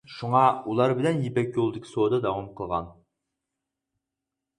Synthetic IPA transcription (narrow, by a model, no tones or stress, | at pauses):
ʃuŋɑulˠɑɾbɪlɛnjipɛkʲjolˠd̪ɨkʲʰi̥soːd̪ɑd̪ɑwumqʰəlˠʁɑ̰n